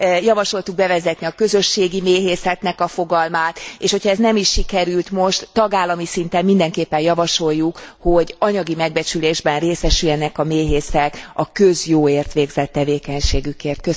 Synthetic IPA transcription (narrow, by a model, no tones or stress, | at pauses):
jɒvɒʃo̞lt̪uɡ̚bɛvɛzɛt̪niɒkø̞zø̞ʃːeːɡimeːɦeːsɛt̪nɛkɒfo̞ɡɒlmaːt̪eːʃhocʰhɒɛznɛmiʃːikɛɾylt̪mo̞ʃt̪ːɒɡaːlːɒmisint̪ɛmːind̪ɛŋkeːpːɛnjɒvɒʃo̞jːukho̞ɟɒɲɒɡimɛɡ̚bɛt͡ʃyleːʒbɛnreːsɛʃyjɛnɛkɒmeːɦeːsɛkɒkø̞zjoːeːrt̪ʋeːɡzɛt̪ːɛveːkɛɲʃeːɡykeːrt̪̚kø